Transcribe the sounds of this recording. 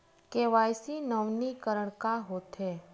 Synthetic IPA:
keʋajsinəʋnikəɾəɳkaɦot̪ʰɦe

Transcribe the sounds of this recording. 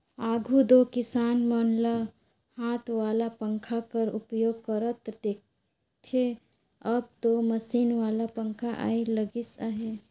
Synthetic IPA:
aːɡʱud̪okɪsaːnmənlə | hãːt̪ʰʋaːlapə̃ŋkʰakəɾʊpjoːɡ̚kəɾət̪d̪eːk̚ | t̪ʰe | əb̚t̪oməsiːnʋaːlapə̃ŋkʰaʔa̰ːiləɡisaɦe

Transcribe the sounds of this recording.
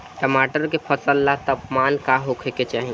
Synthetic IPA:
ʈəmaːʈəɾkepʰəsəlːat̪əpmaːnkaɦokʰeket͡ʃaːɦĩ

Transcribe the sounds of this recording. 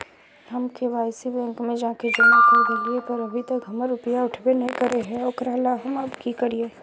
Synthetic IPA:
ɦɐmkeʋaːɪsibɛ̃ːŋkmẽd͡ʒãːked͡ʒɐnaeɡeliepɐɾɐbʱit̪ɐkɦɐməɾːʊpjaʊʈʰbenɐɦĩkɐɾeɦɛ̃ɔːkɾalaɦɐmɐbkikɐɾieː

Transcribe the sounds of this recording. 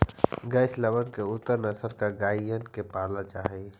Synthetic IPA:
ɡəːʃləʋənkeʊt̪ːəɾnɐsəɾkaɡaːijənkepaːlat͡ʃaːɦe

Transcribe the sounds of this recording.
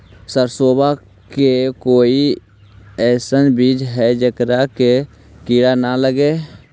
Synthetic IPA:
səɾsoːba | kekoːi | ɛːsənbiːd͡ʒɦɛd͡ʒəkɾake | kiɽanaləɡeː

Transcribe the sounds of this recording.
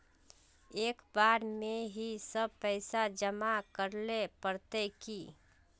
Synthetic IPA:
eːkbaɾmeɦisəb̚pəɪsad͡ʒəmakəɾlepəɾt̪eki

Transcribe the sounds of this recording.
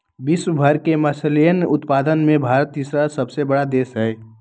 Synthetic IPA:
biswəbʱəɾkeməsəljənʊt̪paːd̪ənmẽbʱaːɾət̪ːisɾasəbsebəɽad̪eːsɦɛː

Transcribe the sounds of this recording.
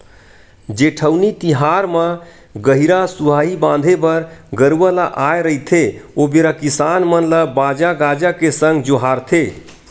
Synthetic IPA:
d͡ʒeʈʰəwnit̪iɦaɾmə | ɡəɦiɾasuɦaɦibãnd̪ʱebəɾɡəɾwəlaʔajɾəɦit̪ʰeobeɾakisanmənləbad͡ʒaɡad͡ʒakesəŋɡd͡ʒoɦaɾt̪ʰe

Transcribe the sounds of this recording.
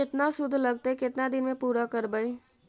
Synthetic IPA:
et̪nasud̪ʱːləɡ̚t̪eket̪nad̪inmepuɾakəɾbəj

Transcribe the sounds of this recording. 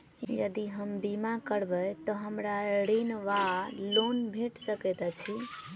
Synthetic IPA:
jə̰d̪iɦəmbimakəɾbət̪ɔɦəmɾaɽinʋalonbʱeʈsəkɛt̪ət͡ʃʰi

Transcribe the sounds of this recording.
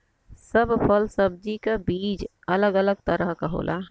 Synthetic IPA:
səbpʰəlsəb̚d͡ʒikabiːd͡ʒ | ɐləɡələɡ̚t̪əɾəɦkaɦo̰ːlʔa̰ː

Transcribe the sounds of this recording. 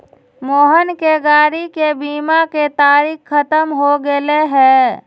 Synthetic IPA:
moːɦənkeɡaːɾikebiːmaket̪aːɾiːkʰːət̪əmɦoɡeleɦɛː

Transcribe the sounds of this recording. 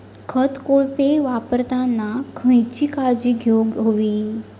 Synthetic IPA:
kʰət̪koɭpeʋapəɾt̪ãnːakʰə̃jt͡ɕikaɾd͡ʑiɡʱjoɡɦoʋi

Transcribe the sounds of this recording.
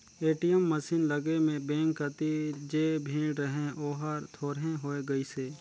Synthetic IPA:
eːʈijəmːəsiːnləɡemẽbẽːŋkːət̪id͡ʒeːbʱĩːɽɾəɦẽʔoːɦaɾt̪ʰoːɾɦẽɦoːeɡɐiseː

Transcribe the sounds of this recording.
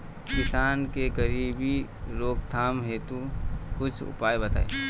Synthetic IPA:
kɪsaːnkekəɾiːbi | ɾoːkt̪ʰaːmɦeːt̪ukʊt͡ʃʰʊ̰paːebət̪a̰ːḛ

